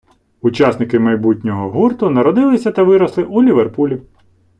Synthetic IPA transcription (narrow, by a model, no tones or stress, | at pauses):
ʊt͡ʃɑsnɪkɪmɐjbutʲnʲɔɦɔɦurt̪ʊnɐɾɔd̪ɪlˠɪsʲɐt̪ɐʋɪɾɔslˠɪʔulʲiʋerpulʲi